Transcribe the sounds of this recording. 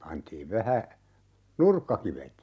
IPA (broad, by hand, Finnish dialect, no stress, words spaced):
pɑntiːʋ ʋæhæ nurkːɑkiʋet